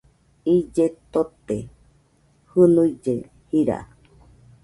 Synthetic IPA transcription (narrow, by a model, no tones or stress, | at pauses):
id͡ʒet̪ot̪e | hɨnuid͡ʒe | hiɾa̰